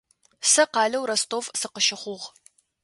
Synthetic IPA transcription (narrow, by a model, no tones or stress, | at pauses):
sɐqɑːɮɐwɾɐstʰʼoːvsɨqəʃɪχʷʊʁ